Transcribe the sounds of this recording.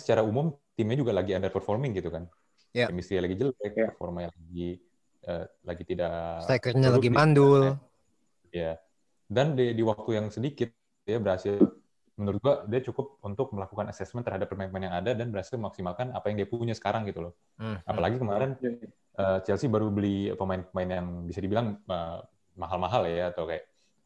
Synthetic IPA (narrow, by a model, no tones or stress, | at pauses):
sə̥t͡ʃaɾaumʊmt̪imɲad͡ʒuɡalaɡiandərpərfɔrmɪŋɡit̪ukan | jaɛmist̪ɾialaɡid͡ʒəlɛk̚pərfɔ̰rmaɲalaɡi | ʔəːlaɡit̪idaʔsakərɲalaɡimandʊl | ja | dandidiwak̚t̪ujaŋsədikɪt̪̚ | dijabəɾasɪ | mənuɾʊt̪̚ɡuadiat͡ʃukʊp̚unt̪ʊk̚məlakukanasɛsmɛnt̪ərhadapːərmaɪnpmaɪnjaŋadadanbəɾasɪlməmaksimalkanapajaŋdiapuɲasə̥kaɾaŋɡit̪ulɔ | apalaɡikəmaɾɛn | əːstalsɪbaɾubəlia̰pəmaɪnpəmaɪnjaŋbisadibilaŋə | maɦalmaɦaljaːt̪awkajaʔ